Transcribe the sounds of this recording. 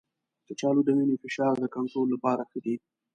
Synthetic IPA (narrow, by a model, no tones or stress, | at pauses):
d̪̥ət͡ʃɑloɖ̪aminifɪʃɑɾd̪əkaɳʈɾolːapɑɾaxəd̪i